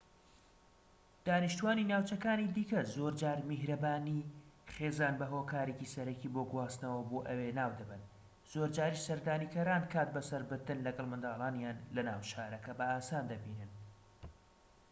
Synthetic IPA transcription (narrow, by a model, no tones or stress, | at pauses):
d̪̥aːniʃt̪uwaːninaːwt͡ʃɐkaːnid̪iːkɐzoːɾd͡ʒaːɾmɪɦɾɐbaːniχeːzaːnbɐɦoːkaːɾecisɐɾɐciboːɡwaːst̪nɐwɐboːʔɐwenaːwd̪ɐbɨn | z̥oːɾd͡ʒaːɾisɐɾd̪aːniːkʰɐɾaːnkʰaːt̪̚bɐsɐɾbɨɾd̪ɨnlɐɡɐlˠmɨnd̪ɑːlˠaːnjaːnlɐna̰ːwʃaːɾɐkɐbɐaːsaːnd̪ɐbiːnɨn